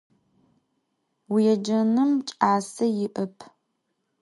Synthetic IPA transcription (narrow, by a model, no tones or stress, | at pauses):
wjɛd͡ʒɐnɨmt͡ʃʼaːsɐjɪʔɐpʰ